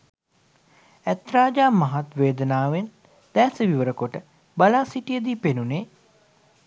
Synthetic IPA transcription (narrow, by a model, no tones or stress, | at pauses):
æt̪raːd͡ʒaːmaɦat̪ʋeːd̪ənaːʋen | d̪̥ɛːsəʋiʋəɾəkoʈə | balaːsiʈijəd̪iːpenuneː